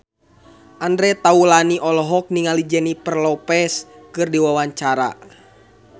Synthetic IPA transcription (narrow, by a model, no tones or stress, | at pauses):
ʔandɾɛt̪aulaniʔɔlɔɦɔk̚niŋalid͡ʒɛnipərlɔpɛskɨrdiwawaɲt͡ʃaɾa̰